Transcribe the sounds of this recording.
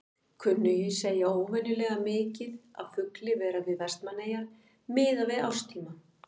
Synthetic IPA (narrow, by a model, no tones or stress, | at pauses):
kʰʏnːʏjɪseːjaoːwvɛnːʏlɛːɣamɪːcɪða̰ðfʏklɪvɛːɾavɪðarst̪maneːjaɾ | mɪːðavɪða̰wst̪ʰiːma